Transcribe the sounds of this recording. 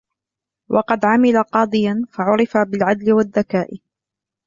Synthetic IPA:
wʔɑqɑd̪ʕamɪlaqɑːd̪ˤɨjanfaʕʊɾɪfabɪlʕad̪lɪwaðːakaːʔɪ

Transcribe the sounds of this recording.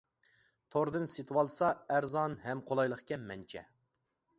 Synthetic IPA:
t̪ʰoɾd̪ɨnsɪt̪ʰwɑlˠsɑæɾzɑnhɛmqʰolˠɑjlˠəqkʲɛmɛnt͡ʃʰɛ̰

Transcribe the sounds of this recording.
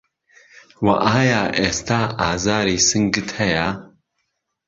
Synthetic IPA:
wɐ̰ʔaːjaːʔeːst̪aːaːzaːɾiːsɨŋɡɨt̪hɐja

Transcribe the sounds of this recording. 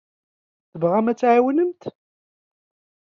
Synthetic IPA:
θəvʁæmæt͡sːʕawənəmt̪

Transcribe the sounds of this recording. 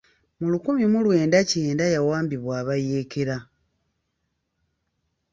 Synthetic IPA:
mulukumimulwe̞ːndaceːndajawaːmbiβwaːβaje̞ːkeɾa

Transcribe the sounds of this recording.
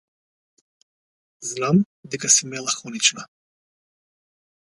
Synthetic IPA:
znam | d̪ɛkasimɛlˠaxɔnit͡ʃna

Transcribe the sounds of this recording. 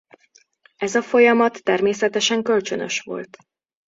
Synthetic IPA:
ɛzɒfo̞jɒmɒt̪ːɛrmeːsɛt̪ɛʃɛŋkølt͡ʃønø̞̰ʃʋo̰lt̪

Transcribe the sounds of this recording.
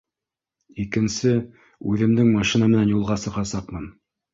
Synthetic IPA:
ikɘ̆nsɘ | ʉðɘ̆md̪ɘŋmɑʃinɑmɘ̆nænjulˠʁɑsɤ̆ʁɑsɑqmɤn

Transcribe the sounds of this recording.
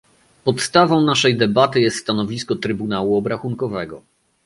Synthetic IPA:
pɔt̪st̪avɔ̃w̃naʂɛjd̪ɛbat̪ɘjɛst̪st̪anɔvʲiskɔt̪ɾɘbunawuɔbɾaxuŋkɔvɛɡɔ

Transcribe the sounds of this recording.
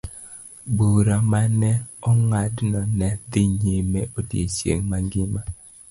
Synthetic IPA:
buɾamanɛɔŋadnɔnɛdɪɲemeʔodiesjḛŋmaŋɡɪma

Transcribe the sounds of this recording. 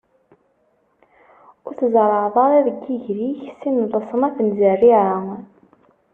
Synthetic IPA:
ʊɾθəzɾˤəʕðˤɑɾˤæðəɡːiʝɾiçsinðˤəsˤənæθənzærːiʕa

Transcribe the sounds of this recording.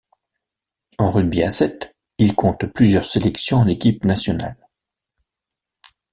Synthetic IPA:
ɑ̃ʁyd̪biasɛt̪ | ilkʰɔ̃t̪plyzjœʁselɛksjɔ̃ɑ̃lekʲipnasjɔna̰l

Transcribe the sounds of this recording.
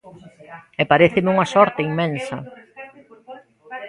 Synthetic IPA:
epaɾeθɪmɪuŋɐsɔɾt̪eimːẽnsɐ̰

